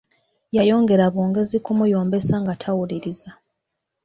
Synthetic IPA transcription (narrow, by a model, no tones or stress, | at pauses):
jajo̞ːŋɡe̞ɾaβoːŋɡe̞zikumujoːmbe̞saŋɡatʰawuliɾiza